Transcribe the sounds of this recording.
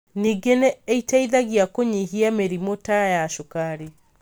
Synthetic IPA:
niːɡeneːitaiðaɣiakoɲiɦiameɾimotajaʃokaɾi

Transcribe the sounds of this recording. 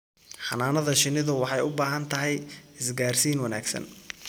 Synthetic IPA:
ħɑnaːnɐðɐʃɪnɪðʊwɑħɑjʊbaːɦɐnt̪ʰɐɦɛjɪsɡaːrsiːnwɐnaːɡsɐ̰n

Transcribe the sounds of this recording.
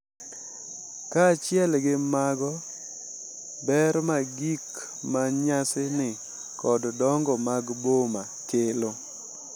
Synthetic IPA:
kat͡ʃjɛlɡɪmaɡɔ | bɛɾmaɡik | maɲasɪnɪ | kɔddɔŋɡɔmaɡbomakɪlo

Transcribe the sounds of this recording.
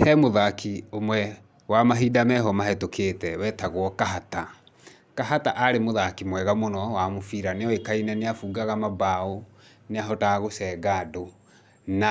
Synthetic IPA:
hɛmoðakʰiomwɛ | wamaɦidamɛɦɔmaɦɛtokʰeːtɛwɛtaɣwɔkaɦata | kaɦataʔaɾemoðakimwɛɣamonɔwamofiɾaneɔekainɛneafuːɡaɣamabao | neaɦɔtaɣosɛːɡaːdo | na

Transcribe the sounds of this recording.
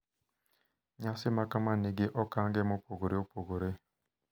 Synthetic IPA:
ɲasɪmakamaneɡeʔɔkaŋɡɛmɔpoɡoɾeopoɡoɾe

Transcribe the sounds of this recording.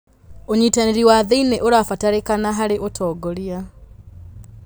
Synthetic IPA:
oɲitaneɾiwaðeinɛʔoɾafataɾekanaɦaɾeʔotʰɔːɡɔɾia

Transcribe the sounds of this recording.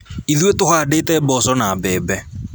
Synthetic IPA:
iðwetʼʊhaːdetʼɛbɔsɔnaːbɛːbɛ

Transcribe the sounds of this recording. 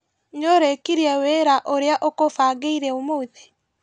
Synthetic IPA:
ɲoɾekiɾiɛweɾaʔoɾeaʔokofaːɡeiɾɛomouðe

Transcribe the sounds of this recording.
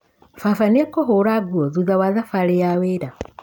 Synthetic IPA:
fafanekɔɦoɾaɡuoðuðawaðafalejaweɾa

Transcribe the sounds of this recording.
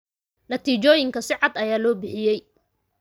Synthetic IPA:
nɐt̪ʰiːt͡ʃɔːjɪŋkʰɐsɪʕɑd̪ɐjaːlɔːbɪħɪjɛj

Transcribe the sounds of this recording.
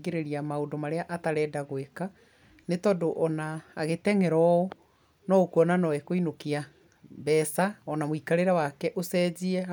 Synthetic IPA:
ɣeɾeɾiamaodomaɾeaʔataɾɛːdaɣweka | netɔdoʔɔnaːɣetɛŋɛɾɔo | nɔokwɔnanɔwɛkoinokia | bɛsaɔnamoikaɾeɾawakɛʔosɛziɛ

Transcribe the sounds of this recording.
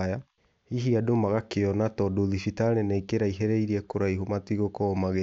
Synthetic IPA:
ja | iɦiadomaɣakeɔnatɔdoðifitaɾɛnaikeɾaiɦɛɾɛiɾiɛkoɾaiɦomatiɣokɔːmaɣe

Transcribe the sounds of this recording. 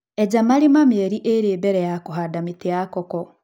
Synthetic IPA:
eɟamaɾimamjeɾiʔeɾeːbeɾejakuɦadamitiakoko

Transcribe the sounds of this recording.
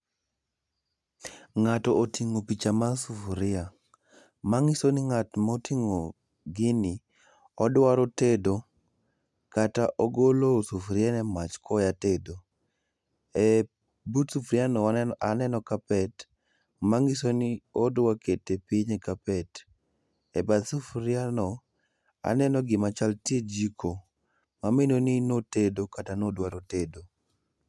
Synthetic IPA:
ŋatɔːtiŋopit͡ʃamasufɾɪa | maŋɪsonɪŋatmɔtʰiŋo | ɡɪnɪ | ɔdwaɾotedo | kataʔoɡolosufɾɪanɛmat͡ʃkʰɔjatedo | ɛ | butsufɾjanɔanɛnɔkapɛt | maŋɡɪsoniodwaketepiɲekapɛt | ɛbad̪sufɾɪanɔ | a̰nɛnɔɡɪmat͡ʃaltied͡ʒikʰo | maminoninotedokatanodwaɾotedo

